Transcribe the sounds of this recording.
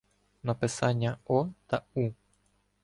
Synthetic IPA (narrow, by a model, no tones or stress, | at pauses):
nɐpɪsanʲːaɔt̪au